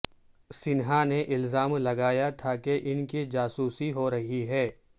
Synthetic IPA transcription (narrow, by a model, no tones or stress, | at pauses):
sɪnɦaneʔɪlzaːmlɐɡaːjat̪ʰakeʔɪnkid͡ʒaːsuːsiɦoɾɐɦiɦɛː